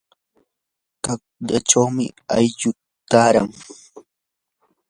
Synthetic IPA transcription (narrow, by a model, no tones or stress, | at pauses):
kakʎa̰ʈ͡ʂawmɪ̰ajʎʊ | t̪aːɾa̰ŋ